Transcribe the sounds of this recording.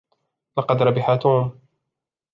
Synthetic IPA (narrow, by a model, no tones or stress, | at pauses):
lɑqɑd̪ɾˤɑbɪħaːt̪uːm